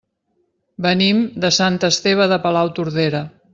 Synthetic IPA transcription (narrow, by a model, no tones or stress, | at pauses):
bənimd̪əsant̪əst̪eβ̞əðəpəlawt̪uɾðeɾə